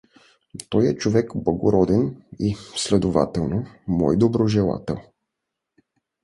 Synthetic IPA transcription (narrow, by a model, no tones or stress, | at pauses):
t̪ɔjɛt͡ʃovɛkblˠɐɡoɾɔd̪ɛnislɛd̪ova̰t̪ɛlˠnomɔjd̪obɾoʒɛlˠa̰t̪ɛ̰lˠ